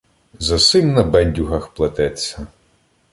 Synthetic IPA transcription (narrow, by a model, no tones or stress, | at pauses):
zɐsɪmnɐbɛnʲdʲuɦɐxplˠɐt̪ɛt͡sʲːɐ